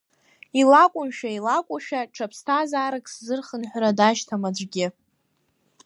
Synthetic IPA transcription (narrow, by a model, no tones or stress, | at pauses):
ilakʷʼʊmʃᶣailakʷʼʊʃᶣaʈ͡ʂʰapʰstʰazaːɾɨkʼszɨrχənħʷɾadaʃtʰamad͡ʒʷʼɡʲɪ